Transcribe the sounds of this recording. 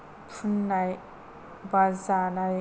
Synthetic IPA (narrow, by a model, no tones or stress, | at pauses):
tʰunːaj | bazanaj